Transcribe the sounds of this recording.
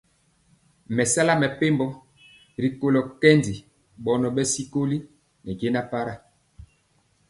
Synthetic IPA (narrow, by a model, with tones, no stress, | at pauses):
mɛ˨sa˦la˦mɛ˨pe˦mbɔ˦ | ɾi˨ko˨lo˨kɛ˦ndi˨ | ɓɔ˨nɔ˨ɓɛ˦si˦ko˦li˦ | nɛ˨ɡe˦na˦pa˦ɾa˦